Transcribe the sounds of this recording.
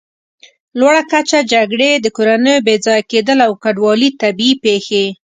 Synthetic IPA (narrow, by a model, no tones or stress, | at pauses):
lwaɽakat͡ʃad͡ʒaɡɽed̪əkoɾanəjobed͡zɑjaked̪əlawkaɖwɑlit̪abiipexe